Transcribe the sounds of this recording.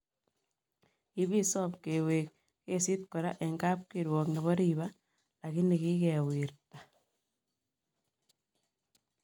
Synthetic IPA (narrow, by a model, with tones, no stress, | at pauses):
i˦βi˦sɔ˦pke˨wek̚ | ke˦si˦t̪̚kɔ˨ɾa˦ʔɛ˨ŋɡa˦p̚kiɾwɔ˨kni˨βɔ˦ɾiβa˦ | la˨ki˦ni˨ki˦kɛ˨wiɾta˨